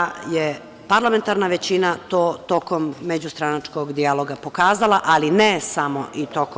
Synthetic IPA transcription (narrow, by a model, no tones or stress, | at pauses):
je | paɾlˠame̞nt̪aɾnaʋe̞t͡ɕinat̪oːt̪o̞ko̞mːed͡ʑust̪ɾanat͡ʃko̞ɡd̪ialˠo̞ɡapo̞kaːzalˠaʔalinesamoʔit̪ok